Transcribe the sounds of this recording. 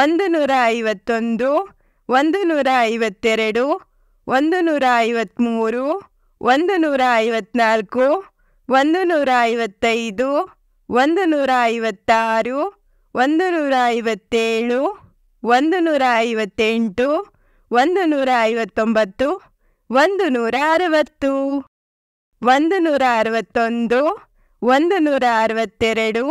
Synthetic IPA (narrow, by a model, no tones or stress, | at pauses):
ond̪unuːɾaɐjʋɐt̪ːo̞nd̪u | ʋond̪unuːɾaɐjʋɐt̪ːɛɾɐɽu | ʋond̪unuːɾaɐjʋɐt̪ːmuːɾu | ʋʔond̪unuːɾaɐjʋɐt̪ːnaːlku | ʋond̪unuːɾaɐʋɐt̪ːɐjd̪u | ʋond̪unuːɾaɐjʋɐt̪ːaːɾu | ʋond̪unuːɾaːjʋɐt̪ːeːɭu | ʋond̪unuːɾaɐjʋɐt̪ːeɳʈu | ʋond̪unuːɾaɐjʋɐt̪ːombɐt̪ːu | ʋond̪unuːɾaɐɾuʋɐt̪ːu | ʋond̪unuːɾaːɾuʋɐt̪ːo̞nd̪u | ʋond̪unuːɾaːɾuʋɐt̪ːɛɾɐɽu